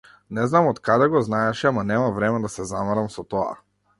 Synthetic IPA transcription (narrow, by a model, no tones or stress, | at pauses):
nɛznamɔt̪kad̪ɛɡɔznaɛʃɛamanɛmavɾɛmɛd̪asɛzamaɾamsɔt̪ɔa̰